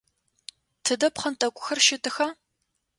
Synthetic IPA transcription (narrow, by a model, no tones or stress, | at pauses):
tʰɨdɐpχɐntʼɐkʷʼʊxɐrʃɪtʼɨxɐ